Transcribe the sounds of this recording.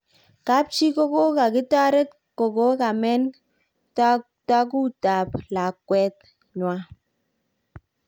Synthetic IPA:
ka˦p̚t͡ʃi˦ko˦ko˦ka˨kɪ˦ta˦ɾɛ˦t | ko˨ko˦ka˨mɛ˦n | t | ta˦k̬u˦ta˨p̚la˨kːwɛ˦t̚ | ɲwa˦

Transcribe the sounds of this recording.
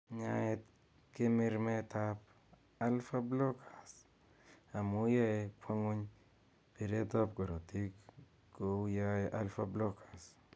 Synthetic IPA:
ɲaɛt̪ | kɪ˦mɪ˦ɾmɛ˦t̪ap | a˦lfa˦blɔ˦kʰḁ˨s | a˨mu˦ja˦ekʰʷwa˦ŋo˦ɲ | pi˨ɾe˦tɔ˦pɡɔ˨ɾɔ˨ti˦k | kːo˦ja˦eʔa˦lfa˦blɔ˦kḁ˨s

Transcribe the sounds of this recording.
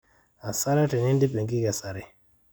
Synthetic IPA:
a˨sa˦ɾa˦ti˨ni˦ndi˦pe˨ɡi˦ɡa˨sa˨ɾi˦

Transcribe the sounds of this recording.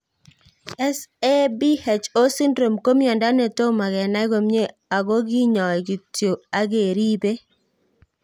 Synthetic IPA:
ɛ˦sɛ˦bi˦hɛ˨t͡ʃo˦si˦ndɾo˨mko˦mjɔ˨nda˦nɛ˨to˦ma˨ɡɛ˨na˦ɡo˨mɲe˦ | a˨ɡo˦ɡi˦ɲɔ˨ɡi˨tjo˨a˦ɡe˨ɾi˦be˦

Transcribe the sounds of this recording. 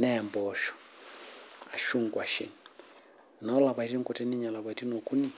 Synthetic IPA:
nɛ˦˨mbɔʃɔ̥˨ | a˨ʃu˦ŋɡwa˨ʃḭ˨ni | nɔ˦la˨βa˨i˦ti˦ŋkɔ˨tɛ˦ni˦ɲa˨la˨βa˨i˨ti˦nɔ˨ku˦ni˦

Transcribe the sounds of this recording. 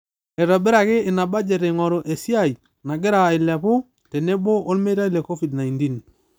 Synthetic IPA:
ɛ˨ɾɔ˨bɪ˦ɾa˨kɪ˦ɪ˨na˨ba˦d͡ʒe˨ɾe˨ŋɔ˨ɾʊ˨ʔe˨si˦a˦˨i˨ | na˨ɡɪ˦ɾa˨ɪ˨la˨pʊ˦ | te˨ne˦bo˦o˦lme˦ɾa˦i˦le˨ko˦fi˨dna˨jnti˦n

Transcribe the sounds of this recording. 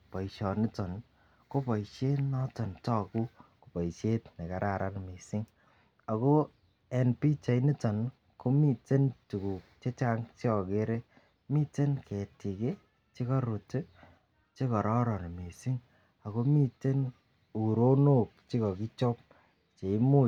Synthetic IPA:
pɔ˨iʃɔ˨nɪ˦tɔ˨n | ko˦pɔ˨ʃe˦nɔ˦tɔ˨ntɔ˦˨ku˦ku˨pɔ˨iʃe˦tne˨ka˨ɾʔa˨ɾʔa˦nmi˨sɪ˦ŋ | a˨ko˦ | ɛ˨npi˦t͡ʃa˨jni˦tɔ˨n | ko˦mi˦te˦ntu˨ku˨k̚t͡ʃe˦t͡ʃa˦ŋt͡ʃɔ˨ke˦ɾe˦ | mi˦te˦nkɛ˨ti˨ke˦ | t͡ʃi˦kɔ˦ɾu˨t | t͡ʃe˦kɔ˨ɾɔ˦ɾɔ˨n˨mi˨sɪ˦ŋ | a˨ko˦mi˦te˦n | u˨ɾo˦no˦k̚t͡ʃi˦kɔ˨ki˦t͡ʃɔ˦p̚ | t͡ʃe˨i˦mu˦

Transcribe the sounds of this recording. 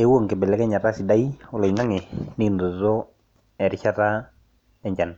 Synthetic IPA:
e˦wo˦˨ŋkɛ˨bɛ˨lɛ˦kɛ˦ɲa˨ta˦sɪ˨da˦jɔ˨lɔ˨na˦ŋɛ˨ni˦˨ndo˨zɔ˦ | ɛ˨ɾɪ˨t͡ʃa˦ta˦ | ɛ˦ɲd͡ʒa˨n

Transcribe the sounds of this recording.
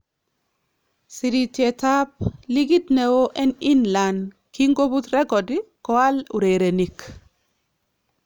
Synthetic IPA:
si˨ɾi˨t̪je˨t̪a˦p̚li˦ɡi˦t̪nɛ˨wo˦ʔɛ˦ni˦nla˨n | ki˦ŋɡo˦bu˦t̪ɾɛ˦ɡɔ˨dikɔ˦a˦lu˨ɾe˨ɾe˨nik

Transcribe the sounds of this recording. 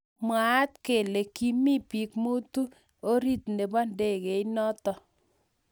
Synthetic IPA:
mwaː˨˦t̚ke˨le˨ki˦mi˦pi˨kmu˦tu˦ | o˦ɾi˦tnde˨bɔ˦nde˦˨ke˨i˦nɔ˦tɔ˨

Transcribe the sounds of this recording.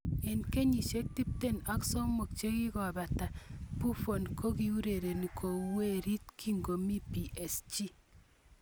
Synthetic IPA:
e˨nke˦ɲi˨ʃe˦k̚ti˦p̚te˦na˦ksɔ˦mo˨k̚t͡ʃe˦ki˦kɔ˨ba˨ta˨pu˦fo˨nkʰo˦ki˨u˦ɾe˨ɾe˨ni˨ko˨we˦ɾi˦t̚kʰi˦ŋɡo˨mi˦pi˨ʔe˨st͡ʃi˦

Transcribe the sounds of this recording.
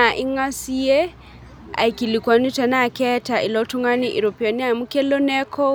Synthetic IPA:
a˨ʔi˦ŋa˦si˦jɛ˦ | a̰˨i˨ki˨li˨kwa˨nu˦ta˨na˦˨kɛ˦tʰa˨ʔi˨lɔ˦tʰu˦ŋa˦ni˦ʔḭ˨ɾɔ˨piɔ˨ni˦a˦˨mukɛ˦lɔ˦nɛ˦kʰɔ˦

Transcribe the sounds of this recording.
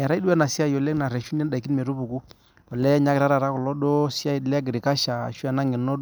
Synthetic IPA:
ɛ˨ɾa˦du˦ɛ˦na˨sɪ˦a˦jɔ˨lɛ˦na˨ɾɛ˨ʃu˦nɛ˦da˨ki˦nme˨ɾu˦bu˨ku˦ | ɔ˨lɛ˦ɲa˦kɪ˨ɾa˦ɾa˨ɾa˦kɔ˨lɔ˦do˦sɪ˦a˦˨lɛ˦ɡɪ˨ɾɪ˨ka˦ʃa̰˨ʃu˦a˨na˦ŋɪ˨nɔ˦

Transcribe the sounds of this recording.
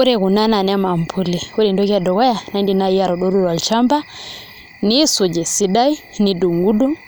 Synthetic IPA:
u˦ɾɛ˨ɣu˨na˦na˨n˦a˦ma˨m̩˨pʰu˦li˨ku˦ɾɛ˨ndɔ˦ɣa˨dɔ˨ɣɔ˦ja˨na˨i˦ndi˨na˦i˦a˨ɾɔ˨ɗɔ˦ɾu˦ɾwa˨lt͡ʃa˦mba˦ | ni˦su˨d͡ʒɛ˨si˦da˦i˦ni˨du˨ŋɡu˦du˦

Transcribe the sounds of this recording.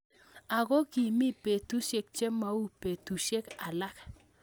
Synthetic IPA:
a˨ɡo˦ki˨mi˦pe˨tu˦ʃe˦k̚t͡ʃe˦ma˦u˦pe˨tu˨ʃe˦ka˨la˦k

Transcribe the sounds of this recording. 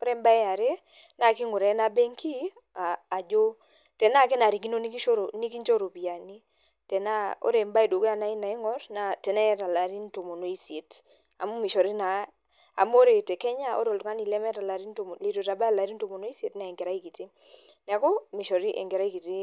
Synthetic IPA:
o˦ɾɛ˦mba˦e˦a˨ɾe˦ | na˦˨ki˦ŋʊ˨ɾɛ˨˦na˦bɛ˦ŋki˦ | aː˨d͡ʒo˦ | tɛ˨na˦˨k̬e˦na˨ɾi˨kɡi˦no˦ni˦ki˦ʃo˦ɾo˨ni˦ki˦nt͡ʃo˦ɾo˨bi˨a˨ni˦ | tɛ˨na˦o̰˦ɾɛ˨mba˦e˨do˨ɡo˦a˦˨na˦i˦na˨i˦ŋɔ˦ɾna˨tɛ˨nɛ˦ɾa˨la˨ɾi˦nto˨mo˨no˨i˦sje˨t | a̰˨mu˦mi˨ʃɔ˨ɾi˦na˨ | a̰˨m˦o˦ɾe˨tɛ˨kɛ˦ɲa˦o̰˦ɾo˨ltʊ˨ŋa˦ni˨lɛ˦mɛ˦ɾa˨la˨ɾi˦nto˨m˨le˨to˨ta˨ba˦a˨la˨ɾi˦n˦to˨mo˨no˦i˦sje˨tna˨ɛ˨ŋɡe˨ɾa˦i˦ki˨ti˦ | nɛ˨a˨kɔ˦mi˨ʃɔ˨ɾi˦ʔɛ̰˨ŋɡe˨ɾa˦i˦ki˨ti˦

